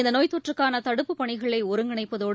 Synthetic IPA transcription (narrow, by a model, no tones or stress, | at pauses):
ɪnd̪ɐnoːjt̪ːɔʈrɯkːaːnɐt̪ɐɽɯpːɯpɐɳɪɣɐɭɐɪɔɾɯŋɡɐɳɐɪpːɐðoːɽ